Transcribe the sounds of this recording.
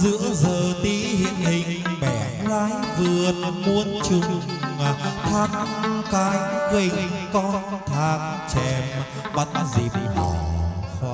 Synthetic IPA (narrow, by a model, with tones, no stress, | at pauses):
zɨ̰˧˥əzəː˨˩t̪i˧˦hḭ˧˨ənhï˨˩ŋ̟ɓɛ˨˩ | laː˨˦jvɨ˨˩ət̚mu˧ənt͡ɕʊ˨˧˩ŋ͡m | t̪ʰaː˧˦ŋkaː˨˦jɣi˧˩ŋkɔ˧˦nt̪ʰaː˧˩ŋ̚t͡ɕɛ˧˩m | ɓə˨˧˦nzḭ˨˩p̚la̰˨˩˧